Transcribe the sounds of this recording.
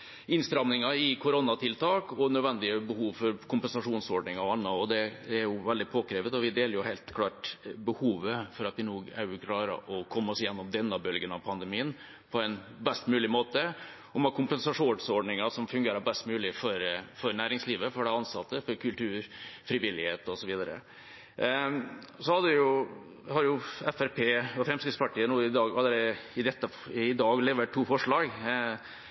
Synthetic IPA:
ɪnst̪ɾɑmnɪŋɑɪkʰʊɾɔnɑt̪ʰɪlt̪ʰɑːkɔnœd̪ʋɛnd̪ɪəbəhuːʋfɔɾkʰʊmpənsɑʂuːnsɔɖɳɪŋɑɔɑnːəɔd̪ɛæɾjʊʋɛld̪ɪpʰoːkɾeːʋət̪ɔʋɪd̪eːləɾjʊhæɪlt̪kʰlɑːʈbəhuːʋəfɔɾɑt̪ʋɪnoːɡæ̰ɾʉkʰlɑːɾə̰ʔɔkʰɔmːəɔsjɛnːɔmd̪ɛnːəbœlɡənɑʋpʰɑnd̪ɛmiːən | pʰɔɛnbɛst̪mʉːlɪmoːt̪ə | ɔmɑkʰʊmpɛnsɑʂuːnsɔɖɳɪŋɑsɔmfʉŋɡeːɾəbɛst̪mʉːlɪfɔɾfɔɾnæːɾɪŋsliːʋəfɔɖɛɑnsɑt̪ːəfɔɾkʰʉlt̪ʰʉːɾfɾɪʋɪlːɪheːt̪ɔsɔʋiːd̪ɑɾə̰ | sɔhɑd̪əʋɪjʊ | hɑɾjʊɛfæɾpʰeːɔfɾɛmskɪt̪spɑʈiːənuːɪd̪ɑːɡhɑd̪əd̪ɛɪd̪ɛt̪ːə | ɪd̪ɑːɡlɛːʋəʈʰːuːfɔʂɭɑːɡ

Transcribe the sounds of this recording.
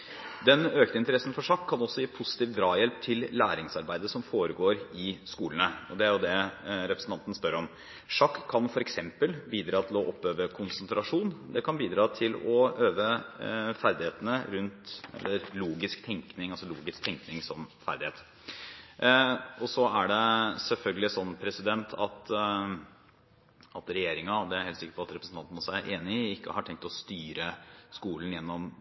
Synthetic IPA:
d̪ɛnøːkt̪əɪnt̪əɾɛsn̩fɔʂɑkʰːɑnɔsːɔjiːpʰʊsɪ̥t̪iːʋd̪ɾɑːjɛlp̚t̪ʰɪllæːɾɪŋsɑɾbæɪd̪əsɔmfoːɾəɡoːɾɪskuːlənəɔd̪ɛæɾjʊd̪ɛɾɛpɾəsn̩t̪ɑnt̪ənəspœɾɔm | ʂɑkʰːɑnfɔɾɛksɛmpəlbiːd̪ɾɑːt̪ʰɪlɔʔɔpːøːʋəkʰʊnsənt̪ɾɑʂuːnd̪ɛkʰɑnbiːd̪ɾɑːt̪ʰɪlɔøːʋəfæɾd̪ɪheːt̪ənəɾʉnt̪ɛ̰lːəɾluːɡɪskt̪ʰɛŋknɪŋɑlsɔluːɡɪsk̚t̪ʰɛŋknɪŋsɔmfæ̰ɾd̪ɪheːt̪ | ɔsɔæɖɛsɛlfœlɡəlɪsɔnːpʰɾɛsɪd̪ɛnt̪ʰɑt̪ | ɑt̪ɾɛjeːɾɪŋɑd̪ɛæɾheːlt̪sɪkːə̥ɾpʰɔɑt̪ɾɛpɾəsn̩ɑnt̪ənɔsæɾʔeːnɪɪkːə̰hɑʈʰɛŋk̚t̪ɔst̪yːɾəskuːlənjɛnːɔm

